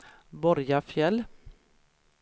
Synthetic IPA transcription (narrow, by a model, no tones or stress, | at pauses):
bɔɾjafjɛl